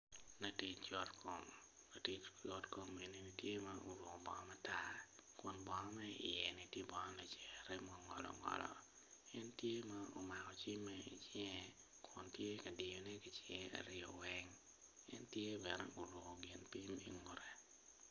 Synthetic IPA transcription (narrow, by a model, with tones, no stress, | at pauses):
na˨ti˨t͡ʃt͡ʃɔ˦tkom | na˨ti˨t͡ʃt͡ʃɔ˦tko˨mːe˨ni˦ni˦tje˦ma˦ʔo˨ɾwʊ˨ko˨bɔ˨ŋɔ˦ma˦ta˦kʊ˨nbɔ˨ŋɔ˦mɛ˦ɪ̰˨jɛ˨ni˨tje˦bɔ˨ŋɔ˦nɛ˨t͡ʃɛ˨ɾɛ˦mɔ˨ŋɔ̰˨lɔ̰ŋɔ̰˨lɔ̰˨ | ɛ˦ntje˦ma˦o˨ma˨kɔ˨t͡ʃi˦mːɛḭ˨t͡ʃɛ˨ | kʰʊ˨ntje˦kɐ˨dɪ˨jo˨nɛ˦ki˨t͡ʃɛŋ˦a̰˨ɾɪ˦ɔ˨wɛ˦ŋ | ɛ˦ntje˦bɛ˨nɛʔo˨ɾo˨ko˨ɡɪ˨npi˦mi˨ŋʊ˨ɾɛ˨